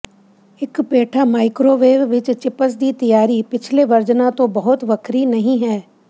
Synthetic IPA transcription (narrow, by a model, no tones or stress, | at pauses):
ɪkpeːʈʰamaːɪkɾoːʋeːʋːɪt͡ʃt͡ʃɪpəs̬d̪it̪ɐjaːɾipɪt͡ʃʰleʋɐɾd͡ʒnat̪obɐɦʊt̪ʋɐkʰɾinɐɦĩɦɛː